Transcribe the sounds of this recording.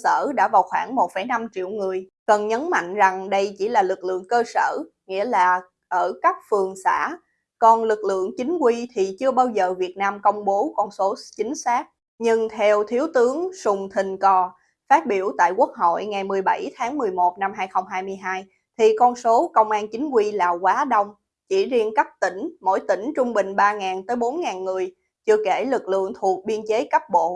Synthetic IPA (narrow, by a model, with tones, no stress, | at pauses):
sə̰ː˧˩ɗa̰ː˧˥vaː˨˩wxwaː˧˩ŋmo˨˩t̚fə˧˩jna˧mt͡ɕḭ˧˨əwŋɨ˨˩əjkə˨˩nɲə˨˦nma̰˧˨jŋ̟za˨˩ŋɗə˧jt͡ɕi˧˩laː˨˩lɨ˨˩k̚lɨ̰˧˨əŋkəː˧sə̰ː˧˩ | ŋḭ˧˥əlaː˨˩ | ʔəː˧˩ka˦˥k̚fɨ˨˩əŋsaː˧˩ | kɔ˨˩nlɨ˨˩k̚lɨ̰˧˨əŋt͡ɕï˨˦ŋ̟kwi˧t̪ʰi˨˩t͡ɕɨ˧əɓaː˧wzəː˨˩vi˨˩ət̚naː˧mkə˧wŋ͡mɓo˨˦kɔ˧nso˨˦t͡ɕï˨˦ŋ̟saː˦˥k̚ | ɲɨ˧ŋt̪ʰɛ˧wt̪ʰi˨˦əwt̪ɨ˨˦əŋsʊ˨˩ŋ͡mt̪ʰï˨˩ŋ̟kɔ˨˩ | faː˦˥t̚ɓi˧˩əwt̪a̰ː˧˨jkwək̚ɦo̰˧˨jŋa˨˩jmɨ˨˩əjɓa˧˩jt̪ʰaː˨˦ŋmɨ˨˩əjmo˨˩t̚na˧mɦaː˧jxə˧wŋ͡mɦaː˧jmɨ˧əjɦaː˧j | t̪ʰi˨˩kɔ˧nso˨˦kə˧wŋ͡mʔaː˧nt͡ɕï˨˦ŋ̟kwi˧laː˨˩kwaː˨˦ɗə˧wŋ͡m | t͡ɕḭ˧˩zi˧ənkə˦˥p̚t̪ï˧˩ŋ̟mo̰˧˥jt̪ï˧˩ŋ̟t͡ɕʊ˧ŋ͡mɓï˨˩ŋ̟ɓaː˧ŋaː˨˩nt̪əː˨˦jɓo˨˦nŋaː˨˩nŋɨ˨˩əj | t͡ɕɨ˧əke˧˩lɨ˨˩k̚lɨ̰˧˨əŋt̪ʰu˨˩ək̚ɓi˧ənt͡ɕe˨˦kə˦˥p̚ɓo̰˧˨